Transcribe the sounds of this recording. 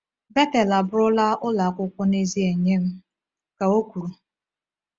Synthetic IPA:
be˦te˨la˨bʊ˦ɾʊ˦la˦ʔʊ˦la˨kʷʊ˦kʷʊ˦ne˦zi˦e˨ɲe˦m̩˦ | ka˨o˦kʷu˨ɾu˨

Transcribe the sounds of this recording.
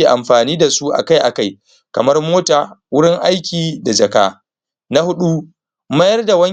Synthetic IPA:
i˨ʔa˨mɸaː˨niː˦da˨su˦ʔa̰˨ka˦jʔa˨ka˦j | kɐ˨mɐ˦rmoː˦taː˨wʊ˦ɽɪ˦ŋʔa˦jkʲiː˨da˨d͡ʒɐ˨ka̰ː˦ | na˦hʊ˦ɗu˦ | mɐ˦jɐ˦rda˨wɐ˦

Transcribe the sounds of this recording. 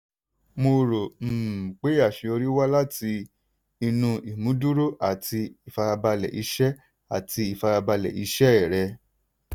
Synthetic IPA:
mo˧ɾo˨m̩˨k͡pe˨˦a˦˨ʃi˧o˧ɾi˦wa˦la˦˨ti˧ | i˧nũ˧i˨mũ˨˦du˦ɾo˦ʔa˦˨tʰi˧i˨fa˧ɾa˧ba˧lɛ̰˨ʔi˧˦ʃɛ˦ | a˨tʰi˧i˨fa˧ɾa˧ba˧lɛ̰˨i˧ʃɛ˦ɛ˦˨ɾɛ˧

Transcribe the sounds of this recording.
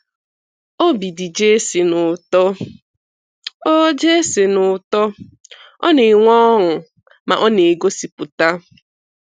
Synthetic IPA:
o˦bi˨di˨d͡ʒe˦sɪ˨nʊ˨tɔ˦ | o˦d͡ʒe˦se˨nʊ˨tɔ˦ | ɔ̰˦ne˨ŋʷɔ˦ŋʊ˨ | ma̰˨ʔɔ˦ne˨ɡo˦si˨pʊ˨ta˦

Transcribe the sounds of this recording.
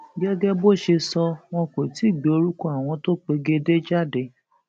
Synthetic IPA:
ɡɛ˦ɡɛ˦bo˦˨ʃe˧sɔ˧w̃ɔ̃˧ke˨ti˨˦˨ɡ͡be˨o˧ɾu˦kɔ˦a˦˨w̃ɔ̃˧to˦k͡pe˧ɡe˦de˦d͡ʒa˦˨de˧

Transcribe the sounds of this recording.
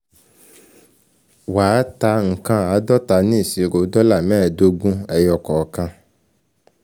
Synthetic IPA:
waː˨˦ta˧ŋ̩˨kã˧a˨˦dɔ˦ta˨˦nĩ˦i˨si˨ɾo˨˦dɔ˦la˦˨mɛ̃ː˦˨do˧ɡũ˦ɛ˧jɔ˧kɔ˨kã˧

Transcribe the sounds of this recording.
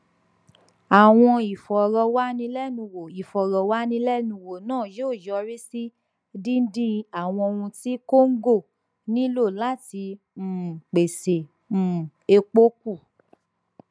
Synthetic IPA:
a˨w̃ɔ̃˧i˨fɔ˨ɾɔ˧wa˦nĩ˧˦lɛ˦nũ˧wo˨i˨fɔ˨ɾɔ˨wa˦nĩ˧˦lɛ˦nũ˧˨wo˨nãː˦˨joː˦˨jɔ˧˦ɾi˦si˦ | dĩ˦n̩˦dĩ˦a˨w̃ɔ̃˧o˧wũ˧ti˦ko˦ŋ̩˦ɡo˦˨ | nĩ˦lo˦˨la˦ti˧˦ | m̩ː˨k͡pe˨se˨ | m̩˨ | e˧k͡po˦k̚u˦˨

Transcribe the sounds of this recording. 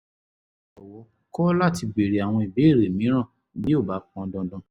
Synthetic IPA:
ɔ˨wɔ˨˦ | kɔ˦la˦˨ti˧ɡ͡be˨ɾe˨a˨w̃ɔ̃˧i˨be˨˦˨ɾe˨mĩ˨˦ɾ̃ã˦˨ | bi˦o˦˨ba˨˦k̚ɔ̃˧dɔ̃˧dɔ̃˧

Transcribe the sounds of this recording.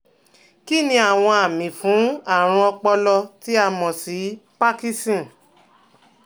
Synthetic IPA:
ki˦˨nĩ˧a˨w̃ɔ̃˧a˨mĩ˨fũ˨˦a˦˨ɾ̃ɔ̃˧ɔ˧k͡pɔ˧lɔ˧ti˦a˦˧mɔ̃˨si˨˦pa˦ki˦stĩ˦˨

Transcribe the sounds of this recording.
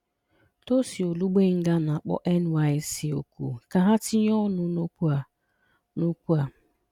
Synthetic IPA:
to˦si˨o˨lu˦ɡ͡be˦ŋ̩˦ɡa˦na˨a˨k͡pɔ̰˦ʔɛ˦nwa˦ɪ˦si˨o̰˨kṵ˨ka˨ɦa˦ti˦ɲ˦ɔ˦nʊ˦a˨ | no˦kʷu˦a˨

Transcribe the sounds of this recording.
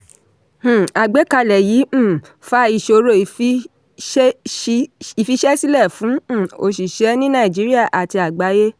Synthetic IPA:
h̩˨a˨ɡ͡be˨˦ka˧lɛ˨jĩ˨˦˨ | fa˦i˧ʃo˧ɾo˦˨f | i˨fi˧˦ʃɛ˦si˦lɛ˦˨fũ˨˦˨o˧ʃi˨ʃɛ˨˦nĩ˦nã˦˨d͡ʒi˨˦ɾi˦a˦˨ʔa˨ti˧a˨ɡ͡ba˨˦je˦

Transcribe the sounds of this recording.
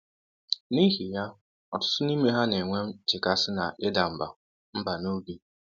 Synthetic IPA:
ni˦ɦi˨ja˦ | ɔ̰˨tʊ̥˦tʊ˦ni˦me˦ɦa˦ne˨ŋʷe˦m̩˦t͡ʃɪ˨ka˦sɪ˦na̰˨ʔɪ˦da˨m̩˨ba̰˨ | m̩˦ba˨no˦bi˦

